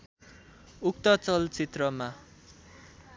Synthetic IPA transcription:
uk̚t̪ʌt͡sʌlt͡sit̪rʌma

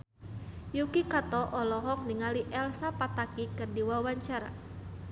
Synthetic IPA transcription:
jukikat̪ɔʔɔlɔɦɔk̚niŋaliʔɛlsapat̪akikərdiwawaɲt͡ʃaɾa̰

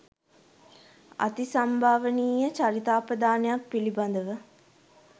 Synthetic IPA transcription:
a̰t̪isambʱaːʋəniːjət͡ʃaɾit̪aːpəd̪aːnejapːiliband̪əʋə

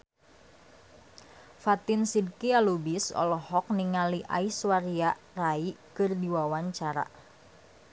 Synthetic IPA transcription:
fat̪insid̚kialubisɔ̰lɔhɔk̚niŋaliʔa̰iswaria | raikɨrdiwawaɲt͡ʃaɾa̰

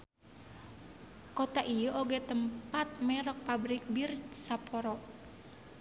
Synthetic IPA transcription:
kot̪aʔijəʔoɡɛt̪əmpat̪̚mɛɾɔk̚pabɾik̚birsapʰɔɾɔʔ

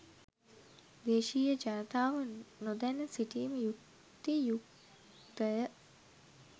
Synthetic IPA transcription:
d̪eːʃiːjəd͡ʒaːt̪aːʋənod̪ænəsiʈiːməjuk | t̪ːijuk | d̪əjə

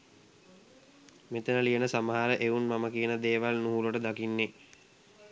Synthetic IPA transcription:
met̪ənəlijənəsaməɦaɾəʔeunmaməkijənəd̪eːʋalnuɦuloʈəd̪akinːe

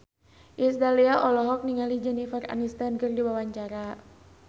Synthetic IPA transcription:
ʔisdaliaʔɔlɔɦɔk̚niŋalid͡ʒɛnifəra̰nist̪ankərdiwawaɲt͡ʃaɾa

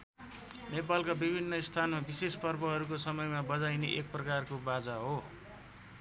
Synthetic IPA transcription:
nepalkabibʱinːʌist̪ʰanmabisespʌrbʌɦʌɾukosʌmʌjmabʌd͡zajneʔek̚prʌkarkobad͡zaɦo

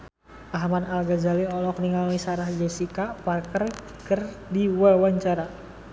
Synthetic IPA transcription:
ʔaɦmanalɡazaliɔlɔk̚niŋalwisaɾahd͡ʒɛsikaparkər | kərdiwawaɲt͡ʃaɾa

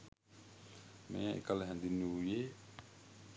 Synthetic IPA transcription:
mḛːḛkələɦɛnd̪inːuujeː

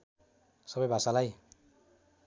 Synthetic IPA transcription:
sʌbʌjbʱasalaj

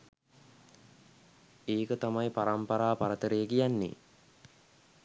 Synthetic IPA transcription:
eːkət̪amajpaɾampaɾaːpaɾət̪əɾəjəkijanːḛ

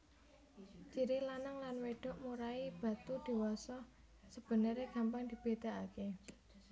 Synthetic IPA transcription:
t͡ʃiɾilanaŋlanweɖ̥ɔ̤ʔmuɾaib̥a̤t̪ud̪̥i̤wɔsɔ | səb̥ə̤nəɾeɡ̥a̤mbaŋd̪̥i̤b̥e̤d̪̥a̤ake

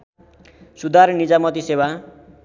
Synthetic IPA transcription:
sud̪ʱarnid͡zamʌt̪isewa

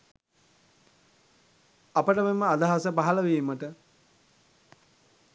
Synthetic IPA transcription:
apəʈəmemːəad̪aɦasəpaɦaləʋiːməʈə

